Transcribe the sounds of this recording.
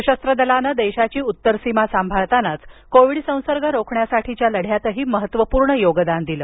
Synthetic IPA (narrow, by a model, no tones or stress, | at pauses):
ɕəst̪ɾəd̪əlanəːd̪eɕat͡ɕiːut̪ːəɾsimasambʱaʋt̪anat͡skoʋiɽsə̃w̃səɾɡʱəɾokʰɳjasaʈʰit͡ɕjaləɽ̤jat̪əɦiːməɦət̪ʋəpuːɾɳəjoɡd̪and̪iləː